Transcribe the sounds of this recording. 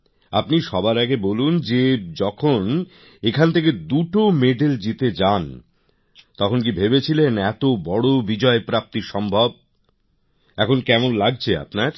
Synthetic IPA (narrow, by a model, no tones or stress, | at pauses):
apniʃɔbaɾaɡebolund͡ʑed͡ʑɔkʰon | ekʰant̪ʰeked̪uʈomeɖeld͡ʑit̪ed͡ʑan | t̪ɔkʰonk̬ibʱebet͡ɕʰilenɛt̪obɔɽobid͡ʑɔepɾap̚t̪iʃɔmbʱob̚ | ɛkʰonkɛmonlaɡ̚t͡ɕʰea̰pnaɾ